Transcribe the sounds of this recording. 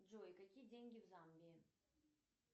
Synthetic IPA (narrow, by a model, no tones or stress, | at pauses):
ʐɔjkakʲijed͡zʲenʲɡʲiwzambʲɛ